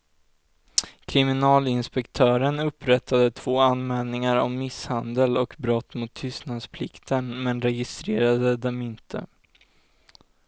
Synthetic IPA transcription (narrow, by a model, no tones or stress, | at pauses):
kʰɾɪmɪnɑːlɪnspɛkt̪ʰœːɾənɵpːɾɛt̪ʰːad̪ət̪ʰv̥oːanmɛːlnɪŋaɾɔ̰mːɪshand̪əlɔkbɾɔt̪ːmʊt̪ʰːʏst̪nad̪spʰlɪkt̪ʰənmɛnɾɛɡɪst̪ɾeːɾad̪əd̪ɛmɪnt̪ʰə̰